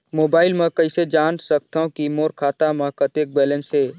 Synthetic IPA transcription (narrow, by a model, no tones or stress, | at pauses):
moːbaːɪlmẽkəɪsed͡ʒaːnsək̚t̪aõkimoːɾkʰaːt̪amãkət̪ek̚bɛːlẽnse